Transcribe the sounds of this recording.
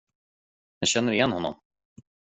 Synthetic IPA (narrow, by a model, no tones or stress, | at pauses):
jɑɕɛnːəɾɪjɛnːhɔnːɔ̰m